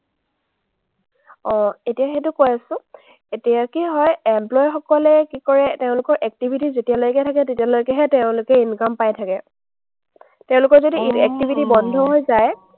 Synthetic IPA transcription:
ɔ̃etijaxetʊkojasʊ̃ | etijakiɦɔjɛmplɔjxɔkɔlɛkikɔɹɛteʊ̃lʊkɔɹʔɛk̚tibʱitizetijalojkɛtʰakɛtetialojkɛɦɛteʊ̃lʊkɛinkampajtʰakɛ | teʊ̃lʊkɔɹzodiɛk̚tibʱitibɔndʱɔɦojzaj

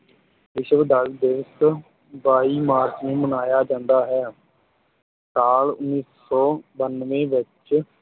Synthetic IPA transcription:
ʋɪʃʋd̪aːld̪ɪʋəs | baːiːmaːɾt͡ʃnẽːmənaːjaːd͡ʒãːnd̪aːɦɛː | saːlʊnːiːs | ɔːbənʋẽːʋɪt͡ʃ

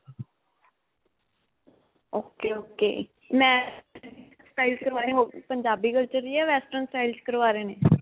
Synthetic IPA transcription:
oːkeːoːkḛː | mɛ̃ː | sʈaːilkəɾʋaːɾeɦoːpəɲd͡ʒaːbiːɡəlt͡ʃəɾiːɛːʋɛːsʈənsʈaːilt͡ʃkəɾʋaːɾeːneː

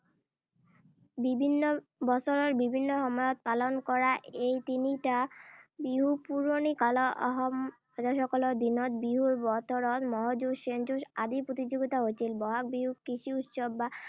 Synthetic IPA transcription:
bibʱinːobɔsoɾoɾbibʱinːoɦɔmɔjɔt̪̚palonkɔɾaejt̪iniʈabiɦupuɾonikaloʔɔɦɔm | ɔd͡ʑaʃɔkɔloɾd̪inot̪̚biɦuɾbɔt̪ʰoɾot̪mɔɦad͡ʑuʃend͡ʑuʃad̪ipɾot̪id͡ʑoɡit̪aɦot͡ɕʰilbɔɦak̚biɦukɾiʃiut̪ʃobːa

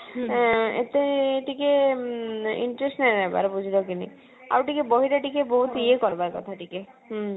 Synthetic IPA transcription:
ḛt̪eʈike | ḭɳʈɾesʈnajɾaɦeba̰ɾbud͡ʒʱid̪ɔkinḭ | a̰wʈikebɔɦiɾaʈikebɔɦut̪iekɔɾbaɾkɔ̰t̪ʰaʈike | ɦ

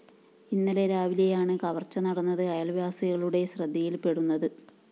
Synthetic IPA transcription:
inːɐle̞ɾaːʋiliɐjaːɳɨkɐʋɐrt͡ɕːɐnɐɽɐnːɐðɨɐjɐlʋjaːsiɣɐɭuɽe̞ɕrɐd̪ʱːijilpe̞ɽunːɐðɨ

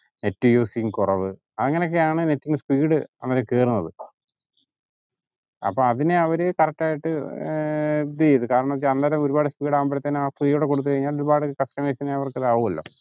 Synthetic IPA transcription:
netːijuːsijumkurɐʋɨ | ɐðɐŋːɐno̞k̬ːeaːɳɨnetːiŋɡspiːɽɨɐnːɐɾɐmkeːrunːɐðɨ | ɐ̰pːoɐðineɐʋɐɾekɐrɐk̚ʈaːjiʈːɨ | d̪eiðɨkaːɾɐɳɐmt͡ɕɐnːaɾɐmo̞ɾubaːɽɨspiːɽaːmbɐɾɐt̪ːɐnaːfriːjuɽekoɽut̪̬ːɨkɐɻiɲːaːloɾubaːɽɨkɐsʈɐmeːɕɐneɐʋɐrkɨðaːʋumɐlːo̞̰ː

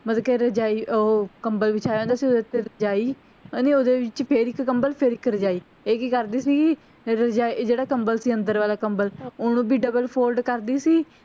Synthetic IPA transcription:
mət̪ːkeɾəd͡ʒaːiːoːkəmbəlʋɪt͡ʃaːjõːnd̪aːsiːoːd̪et̪ːeːɾəd͡ʒaːiː | niːoːd̪eːʋɪt͡ʃpʰeɾɪkːəmbəlpʰɪɾɪkɾəd͡ʒaːiː | eːkiːkəɾd̪iːsiː | ɾəd͡ʒaːid͡ʒeːɽaːkəmbəlsiːə̃nd̪əɾʋaːlaːkəmbəlonũːbiːɖəbəlpʰoːlɖkəɾd̪iːsiː

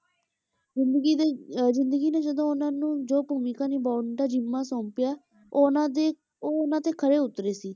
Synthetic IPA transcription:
ɪnd̪ɡizɪ̃nd̪əɡiːneːd͡ʒəd̪õːʊnãːnũːd͡ʒoːpuːmiːkãːniːbɔːʈaːd͡ʒimːãːsõːmpɪjaː | onaːd̪eː | oːʊnãːt̪eːkʰəɾeːʊt̪ːɾeːsiː

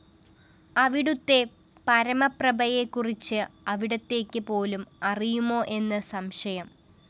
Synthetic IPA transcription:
ɐʋiɽut̪ːe̞ | pɐɾɐmɐprɐbɐje̞kːurit͡ɕːɨɐʋiɽɐt̪ːe̞ːkʲːɨpo̞ːlumɐrijumo̞ːʔe̞nːɨsɐmɕɐjɐm

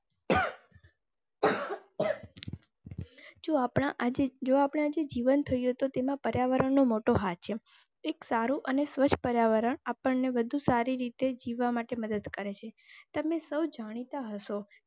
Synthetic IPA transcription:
d͡ʒoapɳ̃aʔed͡ʒoapɽ̃ead͡ʒed͡ʒiʋənt̪ʰəjũɦt̪ot̪emãpəɾjaʋəɾəɳnːomoʈoɦat̪̚t͡ʃʰe | eksaɾuʔənesʋət͡ʃʰpəɾjaʋəɾəɳapəɳneʋəd̪ʱusaɾiɾit̪ed͡ʒiʋːamaʈeməd̪əd̪kəɾet͡ʃʰet̪əmesəwd͡ʒaɽ̃it̪aɦəʃo

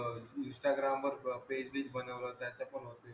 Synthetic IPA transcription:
insʈaɡɾamʋəɾped͡ʑbiːd͡ʑbənəʋlət̪jat͡ɕapəɳɦot̪e

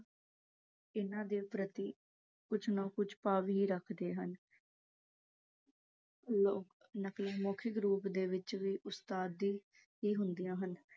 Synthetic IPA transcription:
ɪnãːd̪eːpɾət̪iː | kʊt͡ʃʰnõːkʊt͡ʃʰpaːʋiːiːɾəkʰd̪eːɦən | loːk | nəklɪmɔːkʰɪkɾuːpd̪eːʋɪt͡ʃʋiːʔʊst̪aːd̪iː | ɦiːɦʊnd̪ijãːɦən

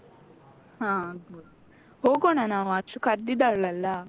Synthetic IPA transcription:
hãːud | hoːɡoɳanaːʋuɐt͡ʃukɐɾd̪id̪aɭɐlːɐ

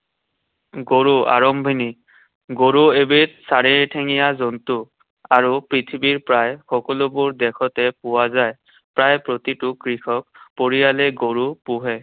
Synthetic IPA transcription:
ɡoɹua̰ɹɔmbʱini | ɡoɹuebit̚saɹiɹtʰeŋijazɔntu | aɹupɹit̪ʰibiɹpɹajxɔkɔlʊbʊɹd̪ɛkʰɔtɛpʊwazaj | pɹajpɹot̪itʊkɹixɔk̚poɹijalɛɡoɹupʊɦɛ

